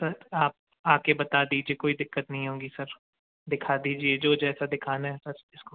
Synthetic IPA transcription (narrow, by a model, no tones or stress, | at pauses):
sɐɾaːp̚ | aːkebɐt̪ad̪iːd͡ʒiekoːid̪ɪkːət̪nɐɦĩɦõːɡisɐɾ | d̪ɪkʰad̪iːd͡ʒied͡ʒoːd͡ʒɛːsad̪ɪkʰaːnaɦɛsɐɾɪsko